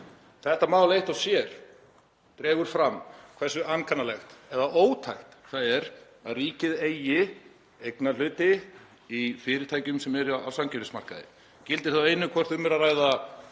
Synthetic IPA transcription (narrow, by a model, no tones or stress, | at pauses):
θɛht̪amaːwlejht̪awsjɛɾ̥ | t̪ɾɛːɣʏɾ̥fɾamːkʰvɛr̥sʏanːkʰanːalɛxt̪ɛðaʔoːwt̪ʰajht̪θaðɛɾ | aðriːcɪðejɪ | ejknal̥ʏːt̪ɪ | ifɪːɾɪɾt̪ʰaːjcʏmsɛmɛɾa̰wsamcʰɪnʏsma̰r̥kaðɪ̰ | cɪlt̪ɪɾ̥θawejnʏkʰvɛr̥θʏmːɛɾaraːjða